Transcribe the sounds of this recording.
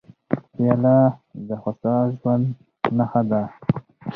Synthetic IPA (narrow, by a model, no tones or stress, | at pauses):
ijalad̪əxasɑʒwand̪ | naxad̪a